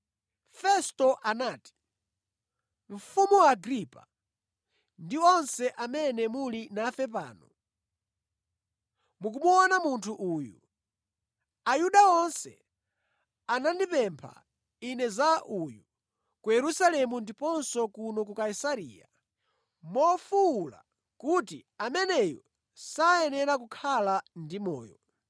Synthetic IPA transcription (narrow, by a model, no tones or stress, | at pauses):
fɛstɔʔanaːti̥ | ɱ̩fumuwaːɡɾipa̰ | ndiɔnsɛʔamɛnɛmulinafɛp̬a̰ːnɔ | muk̬umuɔnamuntʰuʔuːju | ajuɗaɔnsɛ̰ | anandipɛmpʰa̰ | inɛzaʔuju | kujɛɾusalɛmundipɔnsɔkunɔk̬ukaisaɾḭːja | mɔfuːla̰ | kutiamɛnɛjɔ̰ | sajɛnɛɾak̬ukʰalandimɔ̰ːjɔ̰